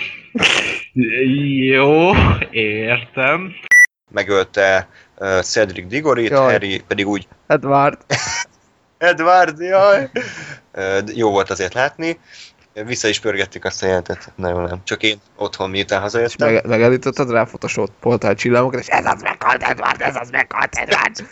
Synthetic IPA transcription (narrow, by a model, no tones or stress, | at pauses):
joːeːrt̪ɛm | mɛɡølt̪ɛ | øsɛd̪riɡ̚d̪iɡoɾitj̪ɛɾipɛd̪iɡuːɟ | ɛd̪vard̪ | ɛd̪vard̪jɒj | øːjoːvo̞lt̪ɒzeːrt̪laːt̪ni | visːɒiʃpørɡɛt̪ːikɛst̪ɒjɛlɛnt̪ɛt̪nɛjoːnɛmt͡ʃɒkeːno̞t̪ho̞mmiut̪aːnɦɒzɒeʃɛmɛɡaːlːiːt̪ot̪ːɒd̪raːfot̪oʃoːt̪po̞rt̪alt͡ʃilːamokɒt̪eːʃɛ̰zɒ̰zmɛ̰kʰːɒ̰lt̪ɛ̰d̪va̰rt̪ɛ̰zɒzmɛ̰kʰːɒ̰lt̪ɛ̰d̪va̰rd̪